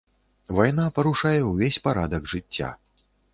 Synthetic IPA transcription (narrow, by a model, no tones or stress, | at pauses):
vajnapɐɾuʂajɛwvʲesʲpaɾad̪ɐɡʐɨt͡sʲːa̰